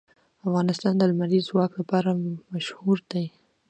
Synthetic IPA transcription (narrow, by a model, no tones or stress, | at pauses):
afɣɑnɪst̪ɑnd̪əlmaɾizwɑklapɑɾamaʃhuɾd̪aj